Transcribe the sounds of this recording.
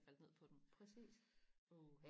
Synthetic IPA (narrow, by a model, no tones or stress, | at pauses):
fæld̥ne̝̰pʰɒ̽d̥empʰʁɛsḭːso